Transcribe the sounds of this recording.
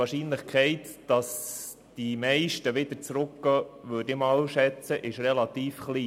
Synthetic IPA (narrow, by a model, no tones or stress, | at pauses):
ɑːɾʃiːnləχkχɛɪt̪d̥ɑs | d̥imɛɪʃtəʋɪd̪ət͡sɾʊkɡ̥ɑʋøːdɪmɑːlʃɛt͡səʔɪʃrɛlɑt̪iːfχliː